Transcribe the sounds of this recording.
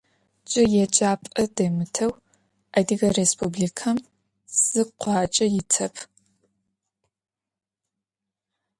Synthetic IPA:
t͡ʃʼɪjɛt͡ʃʼaːpʼɐdɐmɨtʰɐw | ɐdiɣɐrespʰublikʰɐm | z̥ɨqʷɑːt͡ʃʼɐjɪtʰɐpʰ

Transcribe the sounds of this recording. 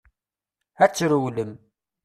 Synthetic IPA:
æt͡sːɾuwləm

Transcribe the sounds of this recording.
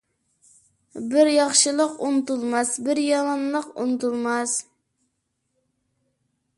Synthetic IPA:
bɪɾjɑχʃɨlˠəqunɨt̪ulˠmɑsbɪɾjɑmɑnlˠəqṵnɨt̪ulˠmɑz̥

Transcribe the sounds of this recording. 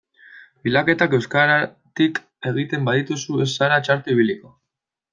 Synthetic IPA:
bilake̞t̪ake̞wskaɾa | t̪ik | e̞ɣ̞it̪e̞mbaðit̪usuesːaɾat͡ʃaɾt̪uiβ̞iliko̞

